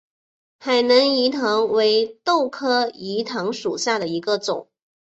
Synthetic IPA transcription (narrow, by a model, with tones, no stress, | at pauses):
xa˨˩ɪnɤ˧˥ŋi˧˥t̪ʰɤ˧˥ŋwe˧˥ɪt̪o˥˩ʊkʰɤ˥i˧˥t̪ʰɤ˧˥ŋʂu˨˩ɕja˥˩d̪ə˩i˧˥ɡə˧t͡sʊ̰˨˩˦ŋ